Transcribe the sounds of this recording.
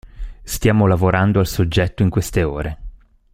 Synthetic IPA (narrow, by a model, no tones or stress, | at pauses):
st̪jaːmolavoɾand̪oalsod͡ʒːɛt̪ːoiŋkwest̪eoːɾe